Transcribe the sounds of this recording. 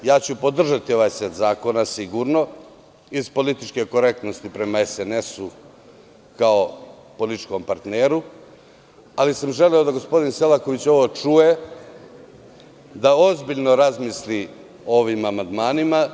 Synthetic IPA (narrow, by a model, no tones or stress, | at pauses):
jaːt͡ɕupo̞d̪r̩ʒat̪io̞ʋaːjset̪zaːko̞nasiɡuɾno̞ | izpo̞lit̪it͡ʃke̞ko̞ɾe̞k̚t̪no̞st̪ipɾe̞maesene̞su | kao̞ | polit̪i̥t͡ʃko̞mpaɾt̪neːɾu | alisamʒe̞lio̞d̪aɡo̞spo̞d̪inse̞lˠako̞ʋit͡ɕo̞ʋo̞ːt͡ʂuje̞ | d̪aozbiʎno̞ɾazmisli | o̞ʋimamand̪maːnima